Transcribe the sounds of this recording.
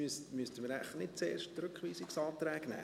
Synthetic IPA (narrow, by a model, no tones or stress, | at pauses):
ystmyəst̪əməɾæɪfənɪtt͡seːɾʃttɾʉkχʋiːsɪksɑːt̪ɾɛːɡnæ̰ː